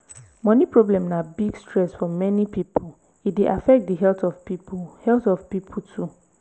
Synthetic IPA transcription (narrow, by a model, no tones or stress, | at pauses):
mɔ̃nĩpʰɹoblɛ̃mnabiɡstɹɛsfɔmɛnipipʰo | ideʔafɛk̚t̚diɦɛltɔvpipʰhɛltɔvpipʰotʰu